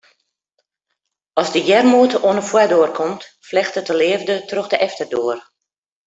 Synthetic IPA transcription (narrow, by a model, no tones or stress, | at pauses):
ɔsdəjɛrmuətəʔoənəfwɛdoərkʰomtflɛxtətəlɪəvdətroxdəʔɛftərdoːər